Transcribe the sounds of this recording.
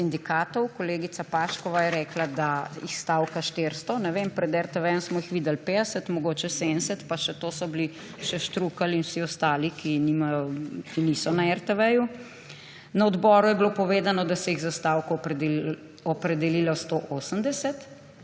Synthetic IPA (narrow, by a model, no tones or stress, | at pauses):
sind̪ikaːt̪ɔwkɔleːɡit̪sapaːʃkɔʋajɛɾɛːklad̪aixst̪aːwkaʃt̪eɾst̪ɔnɛʋempɾɛd̪ɛɾt̪ɛʋɛjɔmsmɔixʋiːd̪ɛlped̪ɛsɛt̪mɔɡoːt͡ʃɛsensɛt̪paʃɛt̪oːsɔbli | ʃɛʃt̪ɾuːkalinwsiɔst̪aːlikinimajɔkiniːsɔnaɛɾt̪ɛʋɛju | naɔd̪bɔːɾujɛblopɔʋeːd̪anɔd̪asɛjiɣzast̪awkɔ | ɔpɾɛd̪ɛliːlast̪oʔosəmd̪ɛsɛt̪